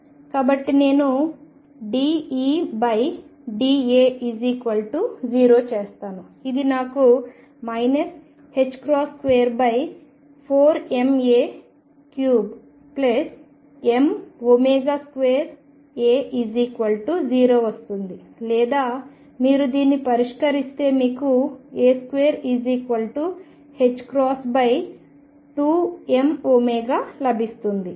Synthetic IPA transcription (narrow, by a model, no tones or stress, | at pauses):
kaːbɐʈːine̞ːnu | ɖiːiːbɐjɖiːeːiziːkʋɐlʈud͡ʒiːɾo̞ːt͡ʃeːst̪aːnu | id̪inaːku | mɐjnɐs | het͡ʃːkɾaːskʋeːɾbɐj | pʰoːɾe̞meː | kjuːb | ples | emoːmeːɡaːskʋeːɾ | eːʔiːd͡ʒiːkʋɐlʈud͡ʒiːɾo̞ːʋɐst̪und̪i | lɛːd̪aː | miːɾud̪iːnːipɐɾiʂkɐɾist̪e̞ːmiːkueːskʋeːɾiːd͡ʒiːkʋɐlʈu | he̞t͡ʃːkɾaːsbɐj | ʈuːemoːmɛːɡaːlɐbʱist̪und̪i